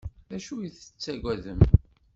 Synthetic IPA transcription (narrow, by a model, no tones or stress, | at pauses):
ðæʃujiθə̥t͡sːæɡʷæðəm